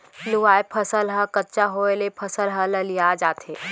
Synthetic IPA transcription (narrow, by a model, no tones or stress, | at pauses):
luʋaːepʰɐsəlɦəkətːt͡ʃaɦoelepʰəsəlɦələlijad͡ʒaːt̪eː